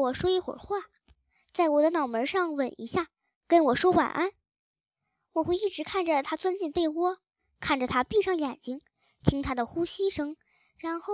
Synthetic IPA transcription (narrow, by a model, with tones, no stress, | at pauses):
wɔ˨˩ʂwɔ˥i˥˩xwə̰˨˩xwa˥˩ | t͡sa˥˩ɪwɔ˨˩d̪ə˦nɑ˨˩ʊmə˧˥ʂɑ˥˩ŋwə˨˩nḭ˧˥ɕja˥˩ | kə˥nwɔ˨˩ʂwɔ˥wa̰˨˩nʔa˥n | wɔ˨˩xwe˥˧ɪi˥˩ʈ͡ʂɻ̩˧˥kʰa˥˩nʈ͡ʂə˩t̪ʰa˥t͡swə˥nt͡ɕi˥˧npe˥˩˧ɪwɔ˥ | kʰa˥˩nʈ͡ʂə˨˩t̪ʰa˥pi˥˧ʂɑ˥˩ŋjɛ˨˩nt͡ɕi˥ŋ | t̪ʰi˥ŋt̪ʰa˥d̪ə˨xu˥ɕi˥ʂɤ˧˥ŋ | ɻa˧˥nxo˥˩ʊ